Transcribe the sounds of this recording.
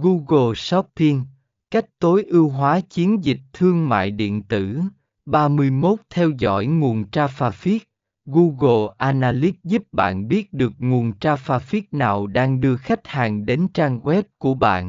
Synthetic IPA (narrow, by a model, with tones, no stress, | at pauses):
ɣu˧ɣo˧˩sɔ˦˥p̚pi˧ŋ | ka˦˥jk̚t̪o˨˦jʔi˧wɦwaː˨˦t͡ɕi˨˦ənzi˨˩k̟̚t̪ʰɨ˧əŋma̰ː˧˨jɗḭ˧˨ənt̪ɨ˧˩ | ɓaː˧mɨ˧əjmo˦˥t̚t̪ʰɛ˧wzɔ̰˧˥jŋu˨˩ənt͡ɕaː˧faː˧fi˦˥ək̚ | ɣu˧ɣo˧˩ʔaː˧naː˧li˦˥t̚zu˦˥p̚ɓa̰ː˧˨nɓi˦˥ət̚ɗɨ˨˩ək̚ŋu˨˩ənt͡ɕaː˧faː˧fi˦˥t̚naː˨˩wɗaː˧ŋɗɨ˧əxa˦˥jk̟̚haː˨˩ŋɗe˨˦nt͡ɕaː˧ŋɣwɛ˦˥p̚ku˧˩əɓa̰ː˧˨nʔ